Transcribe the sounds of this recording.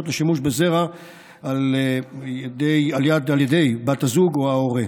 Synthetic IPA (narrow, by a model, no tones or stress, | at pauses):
ot̪leʃimuʃbezeʁa | alejed̪ejaljad̪aljed̪e̞jbat̪azuɡoaoʁe